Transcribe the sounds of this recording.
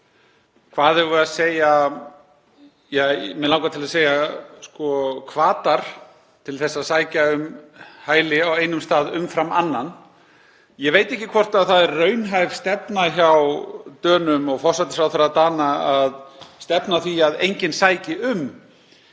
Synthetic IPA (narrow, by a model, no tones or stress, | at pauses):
kʰvaːðɛɾvʏaðseːja | jɛmɛlaːwkat̪ʰɪlaseːjaskɔkʰvaːt̪aɾ̥ | t̪ʰɪlθɛsːaðsaːjcaʏmhaːjlɪaweːjnʏmst̪aːðʏmfɾamanːan | jɛveːjt̪ɛhcːɪkʰvɔr̥t̪aðθaðɛɾːœɥnɦajv̥st̪ɛpnaçawt̪œːnʏmɔɣfɔr̥sat̪ɪ̥sfɾawθaɾaðt̪aːnaaðst̪ɛpnaθviaðḛjɲcɪnsaːjcɪʏm